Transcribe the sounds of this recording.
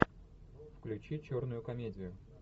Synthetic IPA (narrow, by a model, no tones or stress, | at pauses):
fklʲʉt͡ɕit͡ɕo̞rnʊjʊkɐmʲedʲɪjʊ